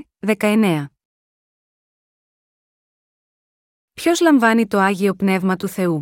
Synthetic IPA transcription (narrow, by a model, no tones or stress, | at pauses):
ðe̞kɐe̞ne̞ɐ | pço̞zlɐɱvɐnit̪o̞ɐʝio̞pne̞vmɐt̪uθe̞u